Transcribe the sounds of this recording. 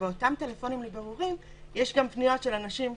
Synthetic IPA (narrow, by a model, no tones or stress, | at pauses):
eotamte̞lefo̞nimlebeʁuʁim | jeʃɡampnijo̞tʃe̞lanaʃim